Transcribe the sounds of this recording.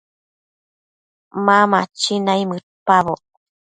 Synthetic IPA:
mamat͡ʃinajmɨtpaβo

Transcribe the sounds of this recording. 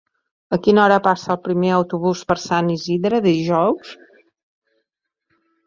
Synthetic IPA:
əkinɔɾəpasəːlˠpɾimeəwt̪uβ̞uspəɾsaniziðɾəððiʒɔws

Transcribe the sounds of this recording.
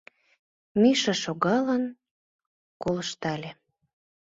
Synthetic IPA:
miʃɑʃoɣɑlən | koləʃt̪ɑlʲe

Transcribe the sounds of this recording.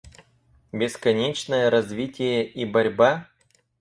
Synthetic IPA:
bʲɪskɐnʲet͡ɕnəjəɾɐzvʲitʲɪjəʔibɐɾʲba

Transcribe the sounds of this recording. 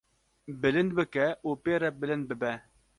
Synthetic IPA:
bɘ̆lɘnbɘ̆kæopeɾabɘ̆lɘnbɘ̆bæ

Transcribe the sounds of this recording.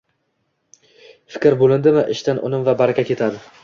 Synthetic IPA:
fɪ̥kʲɾbolˠɪnd̪ɪmaʔɪʃt̪anʔʊ̰nɪmvabaɾɪkʲakʲʰe̞t̪ʰad̪ɪ

